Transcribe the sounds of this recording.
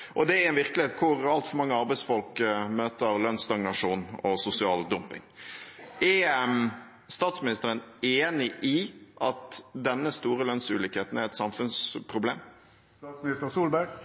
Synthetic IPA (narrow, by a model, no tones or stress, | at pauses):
ʔɔd̪ɛɾɛnʋɪɾkəlɪheːt̪kʰʊɾɑlt̪fɔɾmɑŋːəɑɾbɛɪsfɔlkmøːt̪əɾlœnst̪ɑŋnɑʂuːnɔsʊsɪɑːld̪ʊmpɪ̰ŋ | ʔɛm | st̪ɑːt̪smɪnɪst̪əɾəneːnɪʔɪʔɑt̪d̪ɛnːəst̪uːɾəlœnsʉːlɪkheːt̪n̩æɾɛt̪sɑmfʉnspʰɾʊbleːm | sɑsmnɪst̪əɾsuːlbæɡ